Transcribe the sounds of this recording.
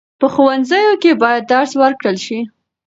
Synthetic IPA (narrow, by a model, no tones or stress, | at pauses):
pəxowanzəjokebɑjad̪̚ːaɾswəɾkɽəlʃi